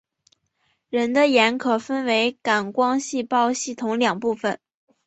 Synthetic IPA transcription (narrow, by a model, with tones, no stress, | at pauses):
ɻə˧˥nd̪ə˧jɛ˧˥nkʰɤ˨˩fə˥nwe˧˥ɪka˨˩nkwɑ˥ŋɕi˥˧pɑ˥˧ʊɕi˥˩t̪ʰʊ˧˥ŋljɑ˨˩ŋpu˥˩fə˨˩n